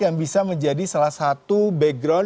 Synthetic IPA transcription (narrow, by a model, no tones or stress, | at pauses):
jaŋbisaməɲd͡ʒadisalahsat̪ubɛɡɾɔ